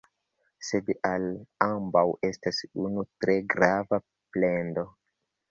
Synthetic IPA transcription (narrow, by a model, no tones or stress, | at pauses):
se̞dʔalambawʔe̞stasunutɾe̞ɡɾava | ple̞ndo̞